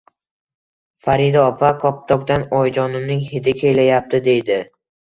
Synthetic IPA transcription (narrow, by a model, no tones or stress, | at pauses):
faɾɪd̪ɒɒpʰakʰɒp̚t̪ʰɒk̚d̪anɒjd͡ʒɒnɪmnɪŋhɪd̪ɪkʲʰelajap̚t̪ɪd̪e̞jd̪ɪ